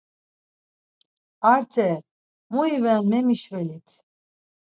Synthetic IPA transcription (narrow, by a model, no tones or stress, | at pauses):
aɾt̪ʰɛ | muivɛnmɛmiʃvɛlit̪ʰ